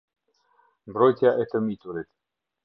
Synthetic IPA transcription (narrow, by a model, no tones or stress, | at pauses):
bɾojt̪ʲjaʔet̪əmit̪uɾet̪